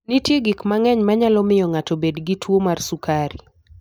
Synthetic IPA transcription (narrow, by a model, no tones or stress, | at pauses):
nitjeɡikmaŋɛɲmaɲalɔmɪjɔŋatɔbedɡitwomarsukaɾi